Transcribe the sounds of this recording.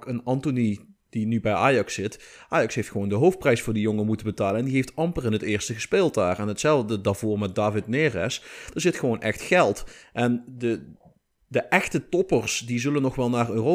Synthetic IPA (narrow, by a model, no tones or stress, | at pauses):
kənɑntonid̥inybɛjʔaːjɑksɪtʔaːjɑksɦejftxəʋowndəɦowft̚prɛjsfʊːɹdijoŋəmutənbətaːlənɛndiɦejftɑmpərɪnɦətɪːɹstəɣəspeːlˠt̚daːrɛnɦətsɛlˠvdədaːv̥oːrmɛt̚daːvɪt̚neːrɛsd̥aːɹzɪtxəʋownʔɛ̰xtxɛlˠtʔɛndə | dəʔɛxtətɔpərsdizɵlənːɔχʋɛlˠnaːrøːro